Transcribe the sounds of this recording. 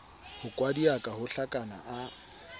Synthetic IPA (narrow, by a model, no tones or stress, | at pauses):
hʊkʼwadiakʼahʊɬakʼanaʔa